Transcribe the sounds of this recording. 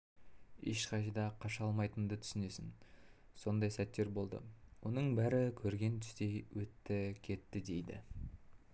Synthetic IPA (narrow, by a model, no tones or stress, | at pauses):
eʃqɑʃəd̪ɑqʰɑʃɑlˠmɑjt̪ənd̪ət̪ʰʏ̥sɪne̞sɪn | so̞nd̪ɑjsæt̪ːe̞ɾbo̞lˠd̪ə̰wʔo̞nəɴbæɾɪkʲʰɵɾɡʲe̞nt̪ʰʏ̥st̪e̞jwɵt̪ːɪkʲʰe̞t̪ːɪd̪e̞jd̪ɪ̰